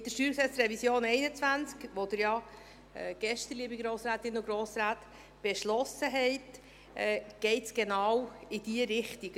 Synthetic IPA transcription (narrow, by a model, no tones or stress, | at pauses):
d̥əʃtyːɾsɛsɾɛvisjoːnɛɪnət͡svænt͡skʋod̥̪əɾjɑ | ɛɡ̥ɛʃtəɾliəbiɡɾoːsɾæːt̪ɪnʊɡɾoːsɾaːt | b̥ɛʃlɔsəɦɛɪt | ɛɡ̥ɛɪtsɡ̥enɑwɪd̥iəɾɪχtiɡ